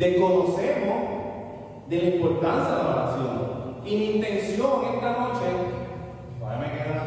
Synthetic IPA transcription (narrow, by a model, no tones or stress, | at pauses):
d̪ekonosemo | d̪elaimpoɾt̪ansjadelaɾasjoninint̪ensjoŋet̪anoat͡ʃɛnt̪o | aɾemeɾa